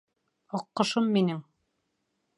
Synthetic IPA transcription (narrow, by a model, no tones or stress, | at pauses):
ɑqːɤ̆ʃɤmːinɘŋ